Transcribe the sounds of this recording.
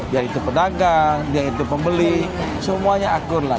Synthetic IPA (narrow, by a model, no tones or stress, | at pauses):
diaɾit̪upədaɡaŋdiaɾit̪upəmbəli | səmuaɲaakʊrla